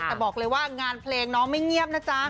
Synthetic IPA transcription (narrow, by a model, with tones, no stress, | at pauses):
ɛː˨˩bɔː˨˩k̚lɤː˧jwaː˥˩ŋaː˧npʰleː˧ŋnɔː˦˥ŋma˥˩jŋi˥˩əp̚naː˥˩t͡ɕa˦˥